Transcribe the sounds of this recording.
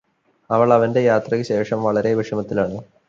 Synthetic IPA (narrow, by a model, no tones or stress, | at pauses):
ɐʋɐɭɐʋɐnde̞jaːt̪rɐkɨɕe̞ːʂɐmʋɐɭɐɾe̞ʋiʂɐmɐt̪ːilaːɳɨ